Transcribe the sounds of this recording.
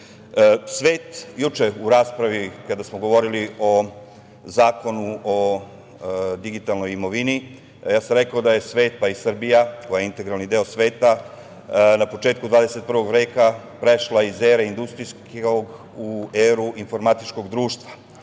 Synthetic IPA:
sʋeːt̪jut͡ʃeuɾaːspɾaʋikad̪asmoɡo̞ʋo̞ɾilio̞ | zaːko̞nuo | d̪iɡit̪alˠno̞jimo̞ʋini | jaːsamɾe̞kaod̪aje̞sʋe̞ːt̪̚paisr̩bijakojajeint̪e̞ɡɾalnid̪eːosʋe̞ːt̪a | napo̞t͡ʃeːt̪̚kud̪ʋaːd̪e̞se̞t̪̚pɾrʋo̞ɡʋɾeːka | pɾe̞ʃlˠaizeːɾeind̪ust̪ɾijskoɡ | ueːɾuʔinfo̞ɾmat̪it͡ʃko̞ɡd̪ɾuːʃt̪ʋa

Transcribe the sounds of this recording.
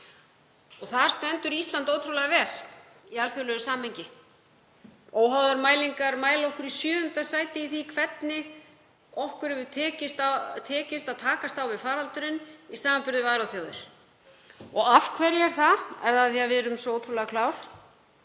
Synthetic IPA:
ɔθaɾ̥st̪ɛnt̪ʏɾist̪lant̪oːwt̪ʰɾulɛɣavɛːl̥ | ialθjʏlœɣʏsaːmhɛjɲcɪ | oːwɦawðaɾmaːjliŋkaɾmaːjlaɔhkʏɾisjœːðʏnt̪asaːjt̪ɪiθikʰvɛt̪nɪ | ɔhkʏɾɛvʏt̪ʰɛːcɪst̪at̪ʰɛːcɪst̪aðt̪ʰaːkast̪awvɪðfaːɾalt̪ʏɾʏnisaːmanpʏɾðɪvaːɾawθjawðɪɾ̥ | ɔɣafkʰvɛɾɪɛɾ̥θaɛɾðaθjavɪɾʏmsɔowt̪ʰɾulɛɣakʰlaːwl̥

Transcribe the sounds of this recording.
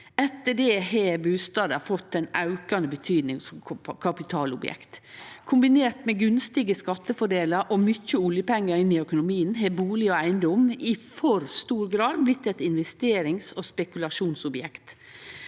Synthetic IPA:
ɛt̪ːəɖɛːhebʉːst̪ɑːd̪əfɔt̪ːæɪnɑʉkɑnd̪əbət̪ʰyːd̪nɪŋsɔmkʰɑpɪt̪ʰɑːlʊbjɛ̰kt̪kʰʊmbɪneːʈ̪mɛɡʉnst̪ɪɡəskɑt̪ːəfɔɖeːləɾʔomʏçəʊljəpɛŋːəɾɪnːɪœkʊnʊmiːənɦeːbuːlɪɔæɪənd̪ɔmɪfɔɾst̪uːɾɡɾɑːd̪̚blɪt̪ːɛt̪ɪnʋɛst̪eːɾɪŋsɔspɛkʉlɑʂuːnsʊbjɛkt̪

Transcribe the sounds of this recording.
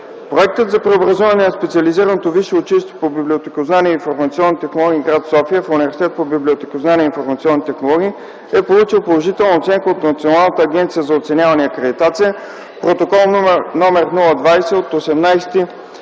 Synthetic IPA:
pɾoɛk̚t̪ət̪zɐpɾɛobɾɐzuvɐnɛnɐspɛt̪siɐliziɾənot̪oviʃooʊt͡ʃiliʃt̪vɛpobiblʲiot̪ɛkoznanʲiinfoɾmɐt̪siɔnːit̪ɛxnolˠɔɡ̟ʲiːɡɾat̪sɔfijəfunivɛɾsi̥t̪ɛt̪̚pobiblʲiot̪ɛkoznanʲɛinfoɾmɐt̪sʲiɔnːit̪ɛxnolˠɔɡ̟ʲiː | ɛpolˠut͡ʃilˠpolˠoʒit̪ɛlˠnəot̪sɛŋkəot̪nɐt̪sionalˠnət̪əːɡ̟ɛnt̪sijəzɐot̪sɛnʲavɐnɛɐkɾɛd̪it̪at̪sijə | pɾot̪okɔlˠnomɛɾnulˠəd̪vajsɛot̪osɛmnajsɛ̥t̪i

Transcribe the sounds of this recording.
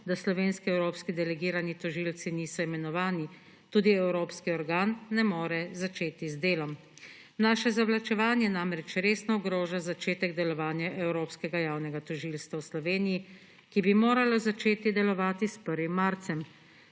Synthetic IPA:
d̪aslɔʋeːnskiɛwɾoːpskid̪ɛlɛɡiːɾanit̪ɔʒiːlt̪siniːsɔimɛnɔʋaːni | t̪uːd̪iɛwɾoːpskiɔɾɡaːnːɛmoːɾɛzat͡ʃeːt̪izd̪eːlɔm | naʃɛzaʋlat͡ʃɛʋaːnjɛnamɾɛt͡ʃɾeːsnɔuɡɾɔːʒazat͡ʃeːt̪ɛɡd̪ɛlɔʋaːnjaʔɛwɾoːpskɛɡajaːwnɛɡat̪ɔʒiːlst̪ʋawslɔʋeːniji | kibimoːɾalɔzat͡ʃeːt̪id̪ɛlɔʋaːt̪ispəɾʋimːaɾt̪sɛm

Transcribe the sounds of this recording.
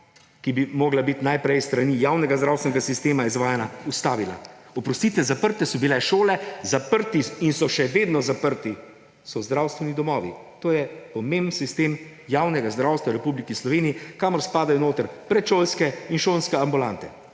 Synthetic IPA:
kibimoːɡlabit̪najpɾɛjst̪ɾaniːjaːwnɛɡazd̪ɾawst̪ʋɛnɛɡasist̪eːmaizʋaːjɛnaust̪aːʋila̰ɔpɾɔst̪iːt̪ʋɛzapəɾt̪ɛsɔbilɛʃoːlɛzapəɾt̪iinsɔʃɛʋeːd̪nɔzapəɾt̪i | sɔzd̪ɾawst̪ʋɛnid̪ɔmɔːʋḭ | t̪oːjɛpɔmembn̩sist̪eːm | jawnɛɡazd̪ɾawst̪ʋawɾɛpublikislɔʋeːniikaːmɔɾspaːd̪ajɔnoːt̪əɾpɾɛt̪ʃoːlskɛinʃoːlnskɛambulant̪ɛ

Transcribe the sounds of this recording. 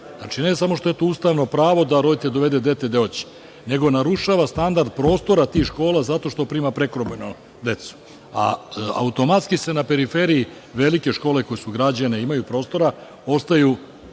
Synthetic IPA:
znaːt͡ʃine̞samo̞ʃt̪o̞jet̪ouːst̪aʋno̞pɾaːʋo̞d̪aɾo̞d̪it̪ed̪o̞ʋe̞d̪ed̪e̞t̪ːed̪eot͡ɕi̥ | ne̞ɡo̞naɾuʃaːʋast̪and̪aɾd̪̚pɾo̞ːst̪o̞ɾat̪iːxʃko̞ːlazat̪o̞ʃt̪o̞pɾiːmapɾe̞kɾobeno | d̪e̞t̪su̥ | a̰a̰ut̪o̞mat̪skise̞nape̞ɾifeɾiː | ʋe̞like̞ʃko̞ːle̞kojesuɡɾad͡ʑaneimajupɾo̞ːst̪o̞ɾa | o̞st̪aju

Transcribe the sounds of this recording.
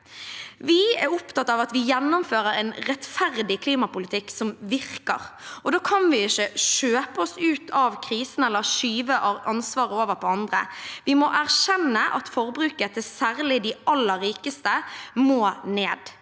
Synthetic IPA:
ʋɪɛɾɔpt̪ʰɑt̪ːɑʋɑt̪ʋɪjɛnːʊmføːɾəɾɛnɾɛt̪fæʁd̪ɪkʰliːmɑpʊlɪt̪ʰɪksɔmʋɪʁkə̰ʁʔɔd̪oːkʰɑnʋɪɪʃəʃøːpəɔsʉːt̪ʰɑʋkʰʁiːsən̩ɛlːəɾʃyːʋəʔɔɑnsʋɑːɾəoːʋəɾpʰɔɑnd̪ʁə̰ʋɪmɔʔæʁʃɛnːəʔɑ̰t̪fɔʁbɾʉːkət̪ʰɛsæːɾlɪd̪ɪɑlːəɾɾiːkəst̪əmoːneːd̪

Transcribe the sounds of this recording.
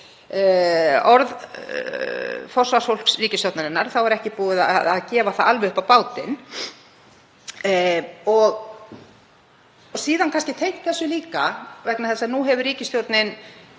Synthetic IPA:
ɔɾð | fɔ̥svasfowl̥sriːcɪst̪owt̪naɾɪnːaɾθawɛɾɛhcɪpuːɪða̰ða̰ðcɛːvaθaalvʏʏhpawpaːwt̪ɪn | ɔɣ | siːðankʰanscɪt̪ʰejht̪θɛsːʏliːkavɛknaθɛlsanuɦɛvʏɾiːcɪst̪jowɾt̪nɪn

